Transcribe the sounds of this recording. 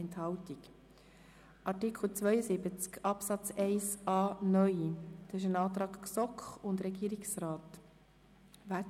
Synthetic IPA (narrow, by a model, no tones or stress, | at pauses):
ɛnthɑltik | ʔɑɾtikʰl̩t͡svœjəsɪbət͡skɑpsɑt͡sɛɪsɑːnœʏd̪ɑsɪʃənɑːt̪ɾɑːkksɔkχʊndɾɛɡiːɾiksraːt | ʋæ